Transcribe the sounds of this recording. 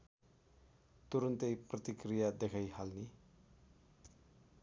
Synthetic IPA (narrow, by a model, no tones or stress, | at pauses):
t̪uɾʌnt̪ejprʌt̪ikɾijad̪ekʰajhalni